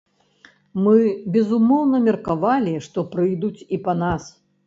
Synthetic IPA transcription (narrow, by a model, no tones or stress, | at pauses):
mɨbʲɛzumɔwnɐmʲɛrkavalʲiʂt̪ɔpɾɨjd̪ut͡sʲipɐnas